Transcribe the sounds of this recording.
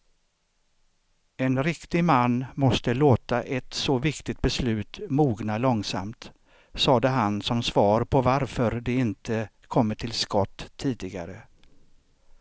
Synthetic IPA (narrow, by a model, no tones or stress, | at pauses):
ɛnɾɪkt̪ɪmanːmɔst̪əloːt̪aʔɛt̪sɔvɪkt̪ɪt̪̚bɛslʉ̟ːt̪muːɡnalɔŋsa̰mt̪ | sɑːd̪əɦansɔmsvɑːɾpʰɔvaɾfœɾd̪ɛɪnt̪ʰə | kʰɔmːəʈʰɪlskɔt̪ʰːiːd̪ɪɡa̰ɾə